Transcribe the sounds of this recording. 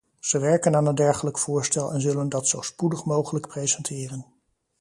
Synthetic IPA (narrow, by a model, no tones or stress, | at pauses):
z̥əʋɛɹkənaːnəndɛɹχələkfʊːɹstɛlˠʔɛ̰nzɵləndɑtsowspudəχmowχələkprejzɛntʰɪːrən